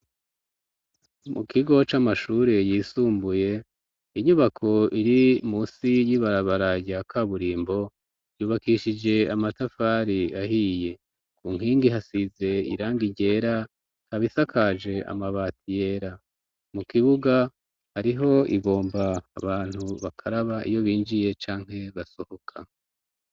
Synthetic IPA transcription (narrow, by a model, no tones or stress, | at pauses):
mukiɡo̞t͡ʃamaʃuɾe̞jiːsuːmbuje̞ | iɲuβakʰo̞iɾimuːsijiβaɾaβaɾaɟakʰaβuɾiːmbo̞ | ɟuːβakiʃid͡ʒe̞amatafaɾiaɦije̞ | kuːŋ̥hiːŋɡiɦasize̞ḭɾaːŋɡiɟe̞ːɾa | haβisakʰaʒe̞a̰maβaːtʰije̞ːɾa | mukiβuɡa | haɾiɦo̞iβo̞ːmba̰ːβaːn̥huβakʰaɾaβaʔḭjo̞βiːnd͡ʒije̞t͡ʃaːŋ̥he̞βaso̞ho̞kʰa